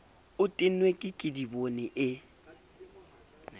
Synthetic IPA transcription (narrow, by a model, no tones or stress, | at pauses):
ʊtʼɪnwekʼɪkʼɪdibonɛʔɪ